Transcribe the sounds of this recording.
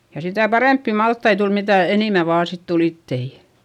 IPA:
jɑ sitæˑ pɑreˑmpːi mɑltːɑi tul mitæˑ eniˑmæ ʋɑː sit tul itːei

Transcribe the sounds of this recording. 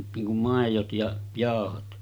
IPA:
niːŋ kum mɑˑejot jɑ jɑˑohot

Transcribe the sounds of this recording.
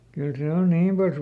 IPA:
kyl seˑ on niːm pɑls

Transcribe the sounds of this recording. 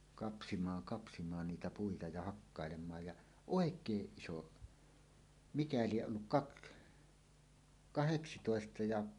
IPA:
kɑpsimɑːŋ kɑpsimɑːn niːtæ puitɑ jɑ hɑkːɑˑelemˑɑːj jɑ oˑekˑeːʔ ʔiso mikæ lieʔ ʔolːuk kɑk kɑheksitoˑestɑ jɑ

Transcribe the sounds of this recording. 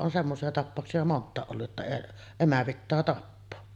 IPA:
on semːosiɑ tɑpːɑˑoksiɑ montˑɑˑeʔ ʔolːuʔ ʔetːæ emæ pitːæː tɑpːoː

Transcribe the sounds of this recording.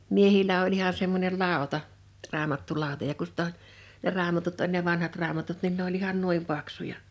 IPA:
miehilˑæ olʲ ihɑ semːonʲel lɑˑotɑ rɑːmɑtːulɑˑotɑ jɑ ku sĭt o ne rɑːmɑtut olʲ ne ʋɑnhɑt rɑːmɑtut nin ne olʲ ihɑn nuim pɑksujɑ

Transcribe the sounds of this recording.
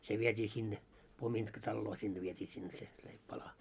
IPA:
se ʋietʲiː sinːe pomintkɑtɑlːoː sinːe ʋietʲiː sinːe se leipːɑlɑ

